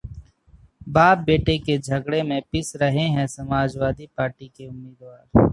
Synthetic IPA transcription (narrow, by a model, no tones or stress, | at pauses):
baːp̚beːʈeked͡ʒʱəɡɽemẽpɪsɾəɦeɦɛ̃səmaːd͡ʒwaːd̪ipaːɾʈikeʊmːeːd̪waːɾ